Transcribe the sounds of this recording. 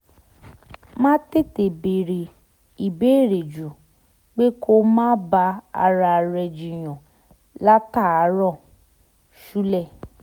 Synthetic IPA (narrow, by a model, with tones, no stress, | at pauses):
mãː˦te˦˨te˨be˨ɾe˨ | i˨be˨˦e˦˨ɾe˨d͡ʒu˨ | k͡pe˦kʰo˦mãː˦ba˧a̰˧ɾa˧˨ɾɛ˧d͡ʒi˨j̃ɔ̃˨ | la˦ta˦˨a˨˦ɾɔ˦˨ | ʃu˦lɛ˦˨